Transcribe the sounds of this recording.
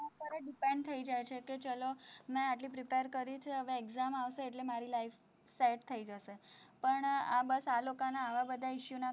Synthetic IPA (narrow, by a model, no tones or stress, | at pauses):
at̪əɾaɖipẽɳɖt̪ʰəid͡ʒajt͡ʃʰeket͡ʃəlomẽaʈlipɾipeɾkəɾit͡ʃʰeɦəʋeːkzamaʋʃeːʈlemaɾilaif | seʈt̪ʰəid͡ʒəʃepəɳa̰bəsalokanaːʋabəd̪ʱaiʃjuna